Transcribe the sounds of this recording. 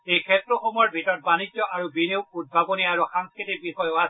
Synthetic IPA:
ejkʰɛtɹɔxɔmɔjɔɹbʱitɔɹɔt̚banid͡ʑɔʔaɹubineʊkud̚bʱabɔniaɹuxaŋskɹitik̚bixɔjɔas

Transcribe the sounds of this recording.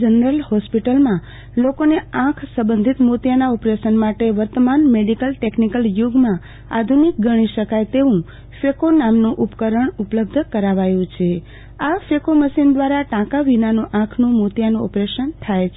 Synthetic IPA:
d͡ʒənəɾəlhɔspiʈəlmã | lokoneãkʰsə̃bənd̪ʱit̪mut̪janaɔpɾeʃənmaʈeʋəɾt̪əmanmeɖikəlʈeknikəljuɡmã | ad̪ʱunik̚ɡəɽ̃iʃəkajt̪eʋũ | fekonamnũʔupkəɾəɳupləb̚d̪ʱkəɾaʋajũt͡ʃʰe | afekoməʃind̪ʋaɾaʈãkaʋinanũʔãkʰnũmut̪janũɔpɾeʃənt̪ʰajt͡ʃʰ

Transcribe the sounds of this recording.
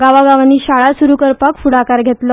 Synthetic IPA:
ɡaʋaɡaʋanːiːɕaɭasuɾukəɾpakfuɽakaɾɡʱet̪lə

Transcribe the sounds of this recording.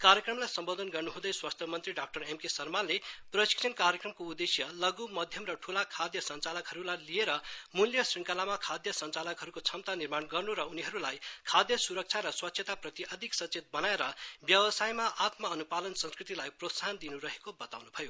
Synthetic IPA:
kaɾjʌkrʌmlajsʌmbod̪ʱʌnɡʌrnuɦũd̪ʌjswast̪ʰjʌmʌnt̪riɖak̚ʈʌremkesʌrmanleprʌsi̥ksʰʌnkaɾjʌkrʌmkoud̪esjʌlʌɡumʌd̪ʱjʌmrʌʈʰulakʰad̪jʌsʌnt͡salʌkɦʌɾulajlieɾʌmuljʌsriŋkalamakʰad̪jʌsʌnt͡salʌkɦʌɾukot͡sʰʌmt̪anirmanɡʌrnuɾʌuniɦʌɾulajkʰad̪jʌsuɾʌk̚t͡sʰaɾʌswʌt̪sʰjet̪aprʌt̪iʔʌd̪ʱiksʌtt͡set̪̚bʌnaeɾʌbjʌwʌsajmaʔat̪mʌːnupalʌnsʌ̃nskrit̪ilajprot̪saɦʌnd̪inuɾʌɦekobʌt̪awnubʱʌjo

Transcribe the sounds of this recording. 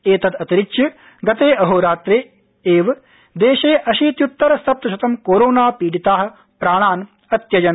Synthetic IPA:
eːt̪ɐt̪ɐt̪iɾiʃjɐ | ɡɐt̪eːɐɦoːɾaːt̪ɾeː | eːʋ | d̪eːʃeːʔɐʃiːt̪jut̪ːɐɾɐst̪ʰɐp̚t̪ɐʃɐt̪ɐmkoːɾoːnaːpiːɖit̪aːɦɐ̆ | pɾaːɳ̃aːn | ɐt̪jɐd͡ʒɐn

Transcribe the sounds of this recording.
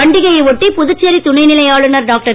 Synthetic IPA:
ɐɳɖɪɣɐjɐɪʋɔʈːipʊðɯt͡ʃːɐɾit̪ʊɳɐɪnɪlɐjaːɭɯnɐɾɖaːk̚ʈɐ

